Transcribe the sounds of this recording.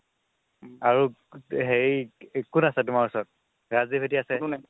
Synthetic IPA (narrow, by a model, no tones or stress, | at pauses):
aɹu | ɦejkunasɛtʊmaɹusɔt̚ | ɹazibʰʱetiasɛ